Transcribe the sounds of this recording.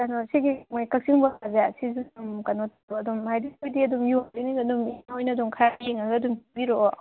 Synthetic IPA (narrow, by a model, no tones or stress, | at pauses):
kɐnɔsiɡimajkɐk̚siŋbɐkazesizuumkɐnɔtʰ | ɔɐdumhajdiojdiɐdumjuaɾiniɡɐdumiojnɐdumkʰjahiŋɐɡɐɐdumbiɾoʔo